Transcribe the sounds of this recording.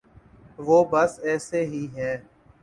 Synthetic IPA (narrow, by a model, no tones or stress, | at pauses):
ʋoːbəsɛːseɦiːɦɛ̃ː